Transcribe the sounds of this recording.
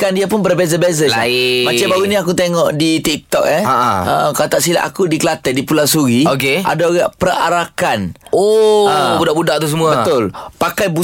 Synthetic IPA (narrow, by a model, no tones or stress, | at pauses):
kandiapʊnbərbezabezaamat͡ʃabaɾunĩakut̪eŋɔʔdit̪ik̚t̪ɔk̚jaaʔa̰ʔkat̪aʔsila̰ʔa̰kudikəlat̪ɛʔ̚dipulasuɾiokeʔa̰daoɡaʔpəra̰ɾakanoəbudaʔbudaʔt̪us̬əmũabət̪ʊlpakajbu